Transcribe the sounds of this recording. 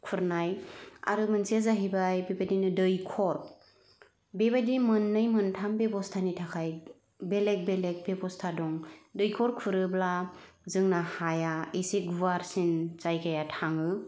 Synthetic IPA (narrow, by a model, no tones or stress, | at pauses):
kʰuɾnaja̰ɾɯmɯnsezaɦibajbebadinɯdɯjkʰɔɾ | bebadimɯnːɯjmɯntʰambebɔstʰanitʰakʰaj | belek̚belek̚bebɔstʰadɔŋdɯjkʰɔɾkʰuɾɯblazɯŋnahajaeseɡuaɾsinzajkʰajatʰaŋɯ